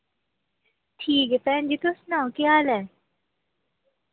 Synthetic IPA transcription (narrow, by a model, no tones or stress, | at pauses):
ʈʰiːkɛpɛnd͡ʒit̪osnakiaːlɛ̃